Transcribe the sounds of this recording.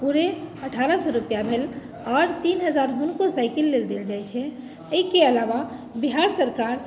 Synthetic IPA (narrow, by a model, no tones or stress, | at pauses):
puɾeəʈʰaɾəsɔɾupjabʱel | ɔːɾt̪inɦəd͡ʒaɾɦunkosaɪkəlːeld̪eld͡ʒajt͡ʃʰɛ | əikeəlaʋa | biɦaɾsəɾkaɾ